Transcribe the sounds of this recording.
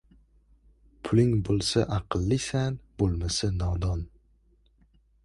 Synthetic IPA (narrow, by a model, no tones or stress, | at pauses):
pʰʊlɪŋbolˠsaʔɑqʰɨlˠːɪsanbolˠmasanɒd̪ɒn